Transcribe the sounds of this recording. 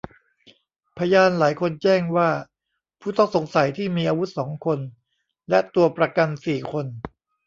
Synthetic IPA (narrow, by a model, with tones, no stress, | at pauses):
pʰa˧jaː˧nlaː˩˦jkʰo˧nt͡ɕɛː˥˩ŋwaː˥˩ | pʰuː˥˩t̪ɔ˥˩ŋso˩˦ŋsa˨˩˦jt̪ʰiː˥˩miː˧ʔaː˧wu˦˥t̪̚sɔː˩˦ŋkʰo˧n | lɛ˦˥t̪u˧ɐpɾa˧ka˧nsiː˨˩kʰo˧n